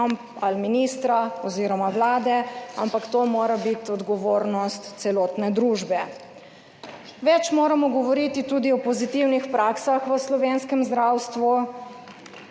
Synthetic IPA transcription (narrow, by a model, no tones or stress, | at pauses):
mp | alminist̪ɾaɔziːɾɔmaʋlaːd̪ɛa̰mpakt̪omoːɾabit̪ɔd̪ɡɔʋoːɾnɔst̪sɛlɔːt̪nɛd̪ɾuːʒbɛ | ʋɛt͡ʃmoːɾamɔɡɔʋɔɾit̪it̪ud̪iɔpɔzit̪iwnixpɾaksaxʋəslɔʋeːnskɛmzd̪ɾawst̪ʋu